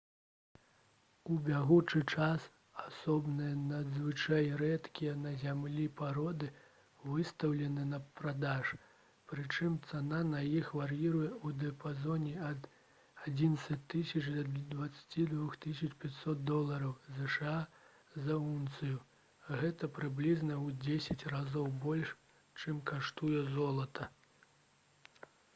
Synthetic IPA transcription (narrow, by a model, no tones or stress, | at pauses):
ubʲaɣut͡ʂɨt͡ʂas | asɔbnɨjɐnɐd̪zvɨt͡ʂajɾɛt̪kʲijɛnɐzʲamlʲipaɾɔd̪ɨ | vɨst̪ɐwlʲɛnɨnɐpɾad̪aʂ | pɾɨt͡ʂɨmt̪sananɐjixvaɾjiɾujɛud̪ɛɐpazɔnʲiɐd̪ | ad͡zʲinɐt̪sɐt͡sʲt̪ːɨsʲɐt͡ʂd̪ɐd̪vɐt̪sḁt͡sʲid̪vuxt̪ɨsʲɐt͡ʂpʲat͡sʲsɔt̪̚d̪ɔlˠɐɾɐwzɛʂɨa | zɐunt̪sɨju | ɣɛt̪ɐpɾɨblʲiznɐud͡zʲesʲɐt͡sʲrazɔwbɔlʲʂ | t͡ʂɨmkaʂt̪ujɛzɔlˠɐt̪ɐ